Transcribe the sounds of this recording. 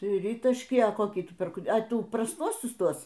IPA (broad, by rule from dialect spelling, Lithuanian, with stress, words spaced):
ˈtʲrʲiːtɐʃʲkʲiː ɐ ˈkoːkʲiː ˈtʊ ˈpʲɪrk ɐ ˈtuː prɐsˈtuɔsʲʊs ˈtuɔs